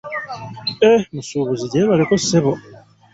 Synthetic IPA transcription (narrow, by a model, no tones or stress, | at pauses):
emusuβuziɟeːβalikoseβo